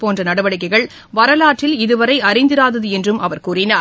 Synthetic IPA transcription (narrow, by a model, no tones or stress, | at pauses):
poːndrɐnɐɽɐʋɐɽɪk̬ːɐɪɣɐɭ | ʋɐɾɐlaːʈrɪlɪðɯʋɐɾɐɪɐɾɐɪnd̪ɪɾaːðɐðɯɛndrɯmɐʋɐɾkuːrɪnaː